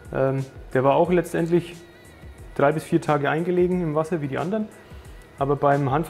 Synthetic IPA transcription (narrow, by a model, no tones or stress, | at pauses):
ʔɛːmd̥eːɐvaːɐaʊxlɛt͡stʔɛ̰ntlɪç | d̥ʁaɪbɪsfiːɐtʰaːɡəʔaɪnɡəleːɡŋ̩ɪmvasɐviːdiːʔa̰ndɐn | ʔaːbɐbaɪmɦantf